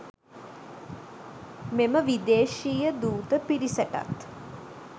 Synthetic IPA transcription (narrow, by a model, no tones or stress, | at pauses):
meməʋid̪eːʃiːjəd̪uːt̪əpiɾisəʈa̰t̪